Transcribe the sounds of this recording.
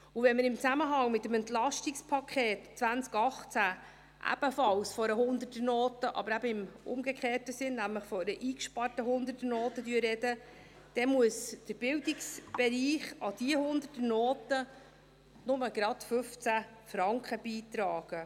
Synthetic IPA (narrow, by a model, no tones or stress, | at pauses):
ʊvɛnməɾɪmt͡sæməɦɑŋmɪtəmɛntlɑʃtɪkspʰɑkʰɛːtt͡sʋænt͡skɑχt͡sæ | ʔæ̰b̥əfɑlsfɔɾəɦʊnd̪ətənoːtəʔɑ̰b̥əɾæbəɪmʊ̰mɡəkχeːtəsɪnnæmləχfɔɾəʔiːkʃpɑrtəɦʊnd̪ətənoːtədyːrːɛdə | d̪̥ɛmuəsd̥əɾb̥ɪldɪksb̥ɛɾiːχɑd̥̪iəhʊnd̪ətənoːt̪ə | nʊməɡɾɑtfɵft͡sæfɾɑŋkχəb̥iːt̪ɾɑːɡ̥ə